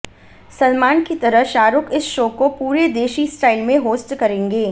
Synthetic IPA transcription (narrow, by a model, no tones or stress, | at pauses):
sɐlmaːnkit̪ɐɾəʃaːɾʊkɪsʃoːkopuːɾed̪eːʃisʈaːɪlmẽɦoːsʈkɐɾẽːŋɡeː